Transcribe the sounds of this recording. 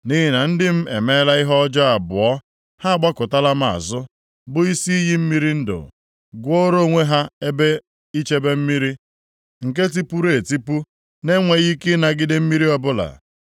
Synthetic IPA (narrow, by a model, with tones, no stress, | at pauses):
ni˦ɦɪ˦na˨n̩˦dɪ˦m̩˦ḛ˨me˦la˦ɪ˦ɦɔ˦d͡ʒɔ˦a˨bʊ˨ɔ˦ | ha˦a˨ɡ͡ba˦kʊ˨ta˦la˦m˦˨a̰˨zʊ˦ | bʊ˦i˦si˦i˦ɦi˦m̩˦mi˦ɾi˦n̩˦dʊ̰˨ | ɡʷo˦ɾo˦˨ŋʷe˦ɦa˦e˦be˦ | i˦t͡ʃe˦be˦m̩˦mi˦ɾi˦ | ŋ̩˨ke˦t̬i˦pu˦ɾe˨ti˦pu˦ | ne˦ŋʷe˨ɣi˦kɪ˦na˨ɡɪ˦dɪ˦m̩˦mi˦ɾi˦ɔ˦bʊ˦la̰˨